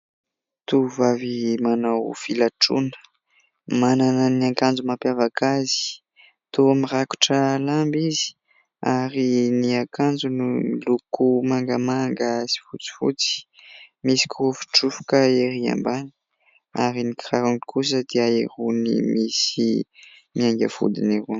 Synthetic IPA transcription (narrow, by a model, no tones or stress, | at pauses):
t̪uvavimanawfilaʈ͡ʂṵnə̥ | mananəniaŋkand͡zumapjavakʰazi̥ | t̪uamiraku̥ʈ͡ʂəlambizi̥ | aɾiniakand͡zunumilukumaŋɡamaŋɡasi̥fut͡si̥fṵt͡si̥misi̥kufi̥ʈ͡ʂufu̥kaeɾia̰mbani̥ | aɾinikraɾuŋikus̬əd̪̥eaeɾunḭmisi | miaŋɡʲə̰fṵd̪inirun